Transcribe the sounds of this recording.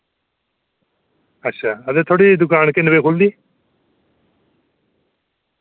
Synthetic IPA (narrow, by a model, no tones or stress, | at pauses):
ɐtːɕʰʃʰaɐd̪et̪ʰoɽid̪ʊkaːnkenbekʰold̪i